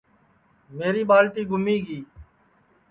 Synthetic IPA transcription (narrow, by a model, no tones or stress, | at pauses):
meːɾiːɓaːlʈiːɡʊmiːɡiː